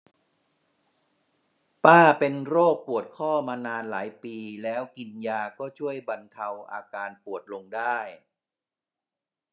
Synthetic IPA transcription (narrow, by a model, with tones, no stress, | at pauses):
paː˥˩pe˧nɾoː˥˩k̚pu˨˩ət̪̚kʰɔː˥˩maː˧naː˧nla̰ː˩˦jpiː˧lɛː˦˥wki˧njaː˧kɔː˥˩t͡ɕʰu˥˩əjba˧nt̪ʰa˧wʔa̰ː˧kaː˧npu˨˩ət̪̚lo˧ŋdaː˥˩j